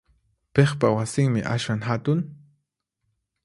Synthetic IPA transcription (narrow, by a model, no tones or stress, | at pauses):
peχpawasɪŋmɪʔa̰ʃwaŋɦat̪ʊŋ